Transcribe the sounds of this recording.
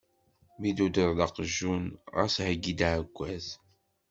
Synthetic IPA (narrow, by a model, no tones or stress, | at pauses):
mid̪ud̪əɾˤlɑqəʒːunʁæ̰shəɡːid̪aʕəɡʷːæz